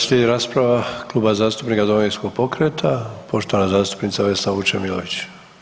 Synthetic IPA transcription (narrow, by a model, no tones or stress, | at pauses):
slʲeɾaːspɾaʋaklˠuːbazaːst̪upnikad̪oinskoɡ̚po̞kɾet̪ʰapo̞ʃt̪o̞ʋanazaːst̪u̥pnit̪saʋesaʋut͡ʃemilo̰ʋit͡ɕ